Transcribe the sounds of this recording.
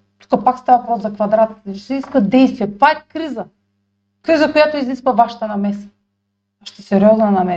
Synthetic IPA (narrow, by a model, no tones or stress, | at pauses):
t̪u̥kapakst̪avapɾɔt̪zakvad̪ɾat̪i̥t̪at͡ʃɛ̥siskvad̪ɛjst̪vijɛt̪akkɾiza | kɾizakɔjat̪oizniskvavaʃḁt̪anamɛsḁː | ʃt̪ɔsɛɾɛɔznanamɛ